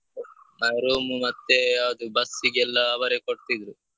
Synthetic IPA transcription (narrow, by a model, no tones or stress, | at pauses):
mɐjɾuːmumɐt̪ːead̪ubɐsːiɡɛlːɐːbɐɾekoɽt̪id̪ɾu